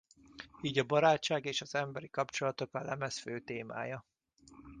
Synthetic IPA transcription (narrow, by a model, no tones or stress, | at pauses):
iːɟɒbɒɾaːt͡ʃːaːɡeːʃɒzɛmbɛɾikɒpt͡ʃo̞lɒt̪o̞kɒlɛmɛsføːt̪eːma̰ːjɒ